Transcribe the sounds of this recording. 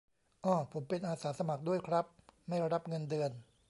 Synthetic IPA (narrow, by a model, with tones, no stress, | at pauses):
ʔɔː˧˩pʰo˩˦mpe˧nʔaː˧saː˩˦sa˧ma˨˩k̚du˥˩əjkʰɾa˦˥p̚ma˥˩jɾa˦˥p̚ŋɤ˧ndɯː˧ən